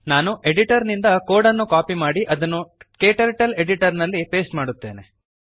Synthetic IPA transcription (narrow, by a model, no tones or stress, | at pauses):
naːnuʔe̞ɖiʈɐɾnind̪ɐkoːɽɐnːukaːpimaːɽiʔɐd̪ɐnːukeːʈɐɾʈɐle̞ɽiʈɐɾnɐlːipe̞ːsʈmaːɽut̪ːe̞ːne